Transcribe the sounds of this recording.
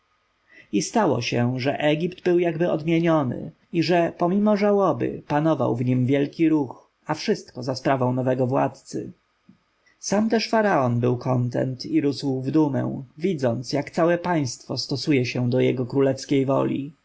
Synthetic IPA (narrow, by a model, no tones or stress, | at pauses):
ist̪awɔ̰ɕɛʐɛ̰ʔɛɡʲipd̪bɘwjaɡbɘɔd̪mʲjeɲɔnɘ̰ | iʐɛpɔmʲimɔʐawɔbɘ̰panɔva̰wvɲimvʲjɛlkʲiɾux | afʂɘst̪kɔzaspɾavɔ̃w̃nɔvɛɡɔvwa̰t̪t̪sɘ̰ | samt̪ɛʂfaɾaɔnbɘwkʰɔnt̪ɛ̰nt̪ʰiɾusuvd̪umɛ̰w̃vʲid̪zɔnt̪sjakt̪sawɛpaj̃st̪fɔst̪ɔsujɛɕɛd̪ɔjɛɡɔkɾulɛfskʲejvɔ̰lʲḭ